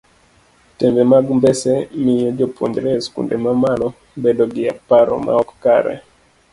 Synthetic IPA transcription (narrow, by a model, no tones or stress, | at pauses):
tɛmbɛmaɡmbɛsɛmɪjɔd͡ʒopwo̰ɲd͡ʒɾɛskṵndɛmamalɔ | bedɔɡɪa̰paɾɔ̰ma̰ɔkka̰ɾɛ̰